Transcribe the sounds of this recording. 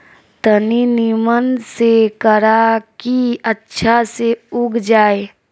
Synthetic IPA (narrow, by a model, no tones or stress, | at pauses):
t̪əninimənsekəɾakiətːʃʰaseʊɡʱd͡ʒaːe